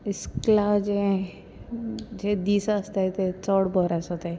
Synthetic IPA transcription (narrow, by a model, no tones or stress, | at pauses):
ɪsklad͡ʒẽ | d͡ʒed̪iːsaːst̪aet̪et͡sɔɽbɔɾasɔt̪e